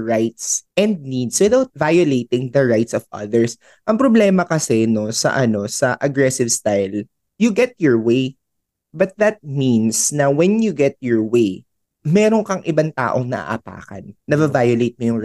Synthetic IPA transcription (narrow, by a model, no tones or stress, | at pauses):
ɹajt̪sʔɛ̃nd̪̚nid̪swɛðawt̪̚vajʊlejt̪ɪ̃ŋðɐɹajt̪sɔvʔɐ̰ðɛɹs | ʔɐŋpɾoblɛːmɐkɐsɛno̞sɐ̰ʔɐno̞sɐʔɐɡɹɛsɪvst̪ajl | jʊɡɛt̪̚jɔɹweɪ | bɐt̪̚ðɐt̪̚minsnɐwɛnjʊɡɛt̪̚jɔɹwej | mɛːɾoŋkɐŋʔɪbant̪a̰ːʔoŋnɐ̰ʔa̰ʔɐ̰pa̰ːkɐ̰nːɐbɐvajʊlejt̪̚mojʊŋɹ